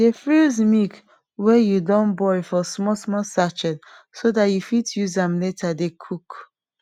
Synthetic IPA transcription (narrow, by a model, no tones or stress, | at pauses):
defilzmik | wɛjudɔ̃nbɔjfɔsmɔsmɔsat͡ʃɛd | sodatjufitjuzãmletʰadekʰuk